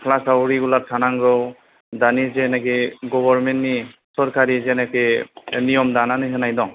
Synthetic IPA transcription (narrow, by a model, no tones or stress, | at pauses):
kʰlasawɾiɡulaɾtʰanaŋɾɔw | danizɛnɛkɛɡɔbɔɾmɛntːisɔɾkʰaɾizɛnɛkɛnijɔmdananɯsɯnajdɔŋ